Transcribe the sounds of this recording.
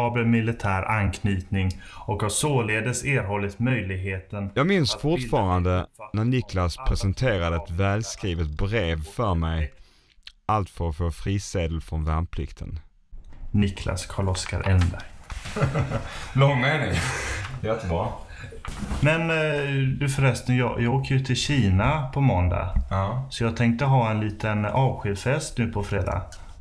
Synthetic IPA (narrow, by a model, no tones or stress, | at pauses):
ɑːbəlmɪlɪt̪ʰæːɾʔa̰nkʰnyːt̪nɪŋɔkhasoːleːd̪əseːɾɦɔlːɪt̪mœjlɪɡɦeːt̪ənjɑːɡmɪnsfʊʈfɑːɾand̪ənæɳɪkʰlaspʰɾɛsənt̪ʰeːɾad̪əɛt̪vɛːlskɾiːvət̪̚bɾeːvfœɾmɛj | alt̪fœɾɔfoːfɾiːseːd̪əlfɾɔnvænpʰlɪ̰kt̪ʰə̰n | nɪkʰlʔa̰skʰaɭɔska̰ɾʔɛnbæ̰ | lɔŋmeːnɪŋjɛt̪ːəbɾɑː | mɛnd̪ɵfœɾɛst̪ənjɑjʔɑːɡoːkəɾjʉt̪ʰɪlɕiːnapʰɔmɔnd̪a̰sɔjɑːɡ̚t̪ʰɛŋk̚t̪əɦɑːɛnliːt̪ənɑːvɧiːfɛst̪nʉ̟ːpʰɔfɾeːd̪a̰